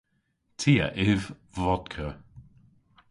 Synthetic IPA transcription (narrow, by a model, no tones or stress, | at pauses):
tʰiːə̰ʔɪv | vɔd̪kʰə